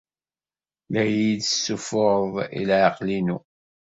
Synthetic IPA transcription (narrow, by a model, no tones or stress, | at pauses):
læjidəsːufʊɾðˤḭlʕɑqlinu